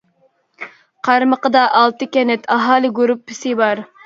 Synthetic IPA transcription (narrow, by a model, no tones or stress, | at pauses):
qʰɑɾməqəd̪ɑʔɑlˠt̪ɨkʲɛnɛt̪ʰɑɦɑːlˠɨɡuɾupːɪsɪbɑɾ